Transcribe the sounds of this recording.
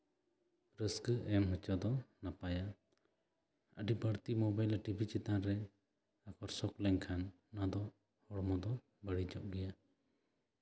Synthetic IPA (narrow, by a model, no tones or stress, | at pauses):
ɾəskəʔɛmɦət͡ʃɔd̪ɔnapaja | əɖibəɽt̪imɔbajlʈibʱit͡ʃit̪anɾɛ | akʰɔɾsɔklɛŋkʰanː | ad̪ɔ | hɔɽmɔd̪ɔ | bəɽid͡ʒɔʔ̚ɡɛja